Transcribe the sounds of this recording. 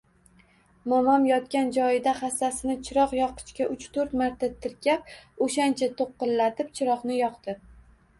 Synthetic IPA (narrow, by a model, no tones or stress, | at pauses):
mɒmɒmjɒt̪kʲand͡ʒɒjɪd̪aχasːasɪnɪt͡ʃʰɪɾɒqjɒqʰɨ̥t͡ʃkʲaʔʊt͡ʃt̪ʰɵɾt̪maɾt̪ʰat̪ʰɪɾkʲap̚oʃant͡ʃʰat̪ʰoqːɨnlat̪ɪp̚t͡ʃʰɪɾɒqnɪjɒqd̪ɪ